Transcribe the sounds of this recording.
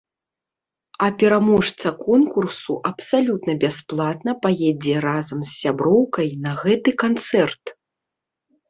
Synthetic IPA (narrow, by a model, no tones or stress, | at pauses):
ɐpʲɛɾamɔʂt̪sɐkɔnkursuʔɐpsalʲut̪nɐbʲasplˠat̪nɐpajɛd͡zʲɛɾazɐmsːʲabɾɔwkɐjnɐɣɛt̪ɨkant̪sɛrt̪